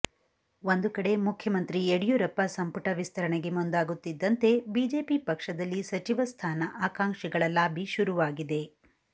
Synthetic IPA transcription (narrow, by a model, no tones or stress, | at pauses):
ʋond̪ukɐɽe̞mukʰjɐmɐnt̪ɾieɽijuɾɐpːɐsɐmpuʈɐʋist̪ʰɐɾɐɳɛɡe̞mund̪aːɡut̪ːid̪ːɐnt̪e̞bid͡ʒe̞ːpipɐkʂɐd̪ɐlːisɐt͡ʃiʋɐst̪ʰaːnɐʔaːkaːŋkʂiɡɐɭɐlaːbʱiʃuɾuʋaːɡid̪e̞